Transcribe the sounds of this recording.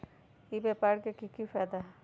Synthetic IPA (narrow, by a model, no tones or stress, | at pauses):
ibɛːpaːɾkekikifɛːd̪aɦɛ